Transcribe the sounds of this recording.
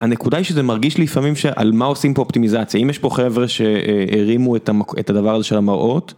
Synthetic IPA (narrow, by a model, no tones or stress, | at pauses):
anekudaiʃezemaʁɡiʃlifamimʃeʔa̰lmaosimpooptimizat͡sjaimjeʃpo̞χevʁeʃe̞eʁimuetamakḛtad̪avaʁazeʃe̞lamaʁʔot